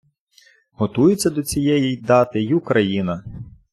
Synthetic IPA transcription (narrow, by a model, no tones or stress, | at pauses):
ɦɔt̪ujʊt͡sʲːɐd̪ɔt͡sʲijɛjijd̪ɑt̪ɪjʊkɾɐjinɐ